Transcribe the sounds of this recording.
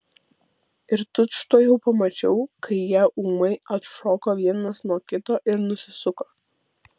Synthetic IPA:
ɪɾt̪ʊt̪ʃt̪oːjɛʊpɐmɐt͡ʃʲɛʊkɐɪjiɛʔuːmɐɪɐt̪ʃoːkoːʋʲiɛnɐsnuɔkʲɪt̪ɔːʔɪɾnʊsʲɪsʊkoː

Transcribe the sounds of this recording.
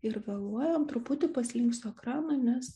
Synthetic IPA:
ɪɾʋʲɛlˠuɔjoːmt̪ɾʊpʊt̪ʲɪpɐsʲlʲɪŋksoɛkɾɑːnɐnʲɛs

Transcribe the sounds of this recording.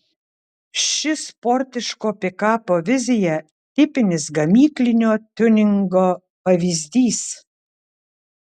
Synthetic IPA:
ʃʲɪspɔɾʲt̪ʲɪʃkoːpʲɪkɑːpoʋʲɪzʲɪjɛ | t̪ʲɪpʲɪnʲɪsɡɐmʲiːklʲɪnʲoːt̪ʲʊnʲɪŋɡo | pɐʋʲizʲd̪ʲiːs

